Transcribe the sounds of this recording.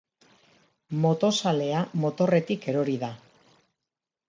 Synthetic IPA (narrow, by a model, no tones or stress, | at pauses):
mo̞t̪o̞sale̞amo̞t̪o̞re̞t̪ike̞ɾo̞ɾiða